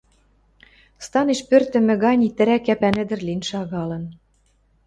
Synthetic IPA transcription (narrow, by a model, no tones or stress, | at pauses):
st̪ɑneʃpørt̪ɘ̆mɘ̆ɣɑnʲit̪ɘ̆ɾækːæpænɘ̆d̪ɘ̆rlinʃɑɣɑlɤ̆n